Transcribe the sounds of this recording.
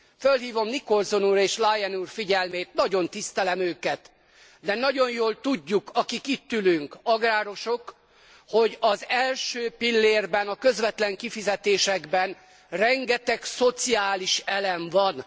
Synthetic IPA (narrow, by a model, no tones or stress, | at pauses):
følɦiːvo̞mniko̞lzonuːɾeːʃlajɛnuːrfiɟɛlmeːt̪nɒɟo̞nt̪ist̪ɛlɛmøːkɛt̪ | d̪ɛnɒɟonjoːlt̪uɟːukɒkikit̪ːylyŋkɒɡraːɾo̞ʃo̞k | ho̞ɟɒzɛlʃøːpilːeːrbɛnɒkø̞zʋɛt̪lɛŋkifizɛt̪eːʃɛɡbɛn | rɛŋɡɛt̪ɛkso̞t̪siaːliʃɛlɛɱvɒn